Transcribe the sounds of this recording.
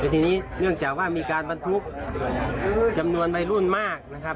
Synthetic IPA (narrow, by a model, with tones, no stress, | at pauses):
a˧˩t̪ʰiː˧niː˦˥˨nɯ˥˩əŋt͡ɕaː˨˩k̚waː˧˥˩miː˧kaː˧nba˧nt̪ʰu˦˥k̚ː | t͡ɕa˧mnu˧ənwa˧jlu˥˩˨nmaː˥˩k̚na˧˩kʰa˦˥p̚